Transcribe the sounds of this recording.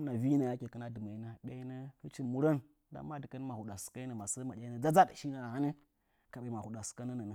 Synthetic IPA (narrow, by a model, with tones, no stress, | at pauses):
na˨vi˦na˨ja˦kʲi˨kə˦na˦dɨ˨ma˨i˦na˦ɗa˦i˦nə˦hə˦t͡ʃi˦˨mu˦ɾa˦n | da̰˦ma˦di˨kə˦n˦ma˨hu˨ɗa˨ska˦i˦nə˨ma˨sə˦ma˨ɗʲa˦ə˦d͡za˦d͡za˦ɗʃi˦na˨ha˦ni˦ | ka˨ɓa˨ma˨hu˨da˨ska˦nə˦nə˨nə˨